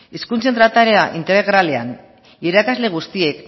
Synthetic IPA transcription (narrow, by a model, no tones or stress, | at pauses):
iskunt͡se̞nt̪ɾat̪aɾeaʔint̪eɾeɣɾale̞an | iɾakazle̞ɣ̞ust̪ie̞k